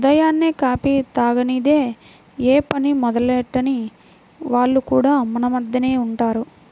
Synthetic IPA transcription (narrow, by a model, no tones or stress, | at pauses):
ud̪ɐjaːnːeːkaːpit̪aːɡɐniːd̪eː | eːpɐnimɔd̪ɐleːʈːɐni | ʋaːɭːukuːɽaːmɐnɐmɐd̪jɐneːuɳʈaːɾu